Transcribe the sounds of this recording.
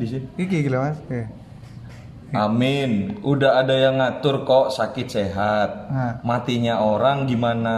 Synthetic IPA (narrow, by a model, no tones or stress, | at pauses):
disiikiɡilamas | amɪnudaɦadajaŋːat̪ʊrkoʔsakɪt̪̚seɦat̪̚mat̪iɲaoɾaŋɡimana